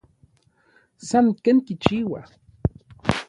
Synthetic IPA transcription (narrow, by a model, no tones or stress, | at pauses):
sankenkit͡ʃiwa